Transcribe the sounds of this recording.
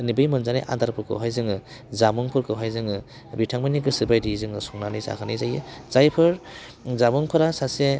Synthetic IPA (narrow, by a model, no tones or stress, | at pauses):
nibɯjmɯnzanijʔa̰nd̪aɾpʰɯɾkʰɯ̰wɦajzɯŋɯ | zamuŋpʰɯɾkʰɯwɦajzɯŋɯ | bitʰaŋmaniɡɯsɯbajdizɯŋɯsɔŋnanijsa̰kʰanijzajɯzajpʰɯɾ | zamuŋpʰɯɾasase